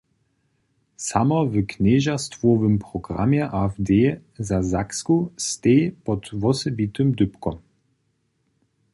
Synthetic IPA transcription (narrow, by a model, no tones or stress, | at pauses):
samɔvəkneʒast̪vɔvɘmpʁɔɡʁa̰mjɛʔavd̪eːzazakskust̪ejpɔt̪vɔsɛbit̪ɨmd̪ʏpkɔm